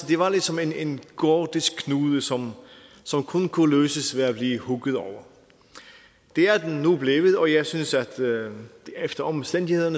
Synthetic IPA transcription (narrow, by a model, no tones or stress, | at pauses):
d̥e̝ʋɑ̈led̥sɒ̽me̝nenɡ̥ɔːd̥iskkʰːnuːðˠəsɒ̽m | sɒ̽mkʰɔnkʰuløːsəsʋeæb̥liːhuɡ̥ðˠɒʊɐ | d̥e̝æɐd̥enːub̥le̝ːʋəð̩ˠɒ̽jɑ̈ɪsynsæd̥ | efd̥ɐɒ̽msd̥en̰d̥ihe̝ðˠɐnə